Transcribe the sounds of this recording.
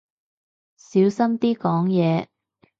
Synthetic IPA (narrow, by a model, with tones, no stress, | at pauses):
siː˨˥wsɐ˥mt̪iː˥kɔː˨˥ŋjɛː˨˧